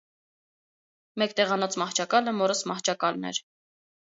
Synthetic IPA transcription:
mɛkt̪ɛʁɑnɔt͡smɑht͡ʃʰɑkɑləmɔɾəsmɑht͡ʃʰɑkɑlnɛ̰ɾ

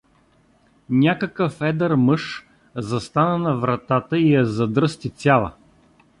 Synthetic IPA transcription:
nʲakəkəfɛd̪əɾmɤʃ | zɐst̪anənɐvɾɐt̪at̪əijɐzɐd̪ɾɤst̪it̪ʲalˠɐ̰

